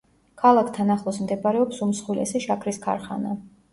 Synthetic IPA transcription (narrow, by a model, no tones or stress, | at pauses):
kʰalˠakʰt̪ʰanaχlˠɔsmd̪ɛbɾɛɔpsumsχwilɛ̰sɛʃakʰɾiskʰa̰ɾχana